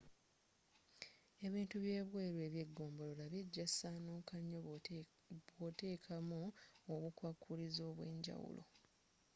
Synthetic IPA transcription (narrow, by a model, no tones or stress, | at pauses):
e̞βiːntuβje̞ːβweːɾwe̞ːβjeɡːo̞ːmbo̞lolaβjeɟːasaːnuːkaɲːo | βwote̞ːkʰamuoβukwakʰːulizo̞ːβwe̞ːɲɟa̰wṵlʔo̞̰